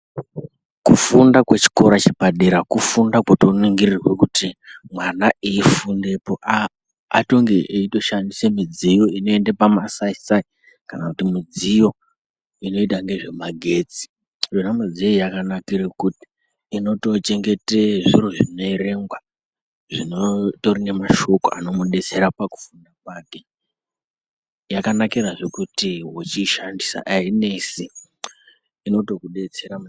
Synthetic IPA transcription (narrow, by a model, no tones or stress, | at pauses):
kufundakwet͡ʃi̥ko̞ɾat͡ʃibaɗeɾakufundakwoto̞niŋɡirirwekutimwanaʔiifunde̞poʔa | ato̞ŋɡe̞ʔeito̞ʃandisemid͡zijo̞ino̞e̞ndepamasaisai | kanakutimid͡zijo̞ | ino̞itaŋɡe̞ʐe̞maɡʱe̞ːt͡si̥ | ʐonamad͡zieijakanakiɾekuti̥ː | no̞to̞t͡ʃe̞ŋɡe̞teʐiɾoʐino̞iɾe̞ŋɡwa | ʐ̥inotoɾine̞maʃo̞ko̰a̰no̞muɗe̞t͡se̞ɾapaku̥fundapaːke | jakanakiɾaʐe̞kutiɦot͡ʃiʃandisa̰ʔaine̞si | ino̞to̞kuɗe̞t͡se̞ɾa